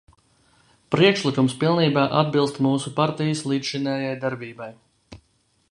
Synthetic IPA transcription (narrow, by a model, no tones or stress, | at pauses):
pɾiɛkʃlˠikumspilˠniːbaːʔad̪̚bilˠst̪muːsupaɾt̪ijəslˠi̥ːʃinɛːjajd̪aɾbiːbaj